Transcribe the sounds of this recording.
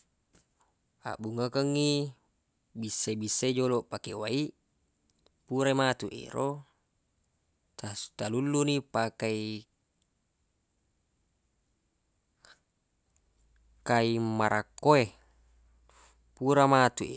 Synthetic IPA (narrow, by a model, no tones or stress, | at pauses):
a̰ʔbuŋakəŋːi | bisːebisːed͡ʒolopakewaiʔ | puɾamat̪uʔḛɾo | t̪asu̥t̪alulːunipakai | kaimaɾʔakːoe | puɾamat̪uʔḛ